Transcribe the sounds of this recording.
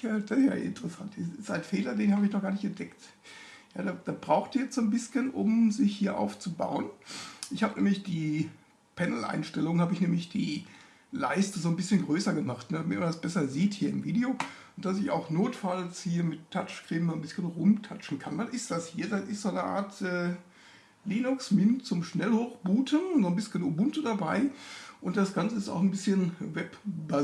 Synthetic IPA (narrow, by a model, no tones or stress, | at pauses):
jad̥ja̰ːɪ̰ntəʁəsantɪsɪsaɪnfeːlɐdeːnhaːbəɪçnɔχɡ̥aːɐnɪçɛntd̥ɛkt | ja̰ːdaːd̥aːb̥ʁaʊxtiɐjɛt͡sz̥oːnbɪsçənʔʊ̰mzɪçhiːɐʔa̰ʊft͡suba̰ʊənʔɪçhaːbənɛ̰ːmlɪçd̥iː | pʰɛnl̩ʔa̰ɪnʃtɛlʊŋhaːbəɪçnɛːmlɪçd̥iː | laɪstəzoːnbɪsçənɡʁøːsɐɡəmaχtnəmɪmandasb̥ɛsɐziːthiːɐɪmviːdeoː | ʊntd̥asɪça̰ʊxnoːtfalshiːɐmɪtʰːat͡ʃkʁ̥ɪːmanbɪsçənʁʊmtʰat͡ʃn̩kʰandanɪstd̥ashiːɐdanʔɪstz̥oːnəʔa̰ːɐtʔɛː | liːnʊksmɪnt͡sʊmʃnɛlhoːxb̥uːtʰənzoːnbɪsçənʊbʊntədabaɪʔʊntd̥asɡ̥ant͡səɪsta̰ʊxn̩bɪsçənvɛpba